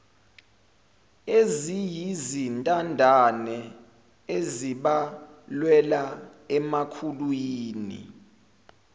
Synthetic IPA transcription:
ezijizintʼandʱanɛ | eziɓalwɛla | ɛmakʰulwiːnḭ

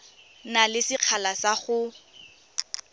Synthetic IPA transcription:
nalɪsɪq͡χʰalasaχʊ

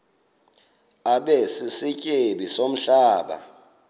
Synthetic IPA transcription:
aɓɛsisicʼeɓisom̩ɬaːɓa̰

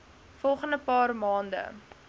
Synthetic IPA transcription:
fɔlˠχəndəpɑːrmɑːndə̰

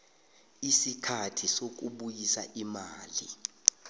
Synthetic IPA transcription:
isikʰatʰisok̬uɓujisaʔimaːli

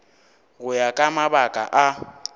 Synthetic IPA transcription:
ɣʊjakʼamabakʼa̰ʔa

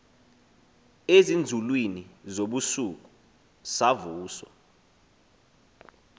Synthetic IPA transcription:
ezind͡zʱulwinizoɓusuk̬u | savuːsɔ

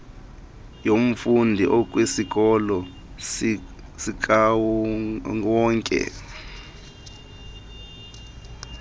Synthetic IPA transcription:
jom̩fundʱiʔɔk̬ʼwesik̬ʼɔlɔ | sika | ɔːŋkʼɛ̰

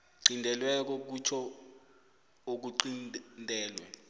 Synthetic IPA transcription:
ǀindʱɛlwɛk̬ɔk̬ut͡ʃʰɔ | ok̬uǀinndʱʼɛːlwɛ̰

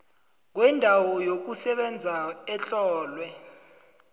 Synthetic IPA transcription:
k̬wɛndʱawɔjok̬usɛɓɛnd͡zʱaɛɬɔːlwɛ

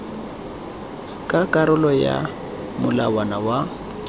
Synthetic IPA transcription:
kʼakʼaɾʊlɔja̰ | mʊlawanawa

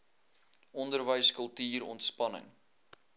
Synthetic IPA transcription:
ʔɔndərvəjskəlˠtiːrɔ̰ntspɐnə̰ŋ

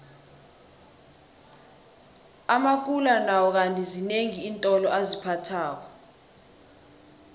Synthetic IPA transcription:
amak̬ulanawɔk̬antʼizineŋiːntʼɔlɔazipʰatʰaːk̬ɔ

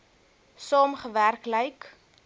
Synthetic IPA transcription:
sɑːmχəværkləjk

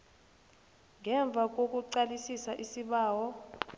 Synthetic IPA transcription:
ŋɛɱb̪vʱak̬ok̬uǀalisisaʔisiɓaːwɔ

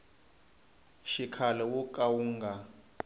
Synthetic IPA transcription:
ʃikʰalɛwukʼawuːŋɡa

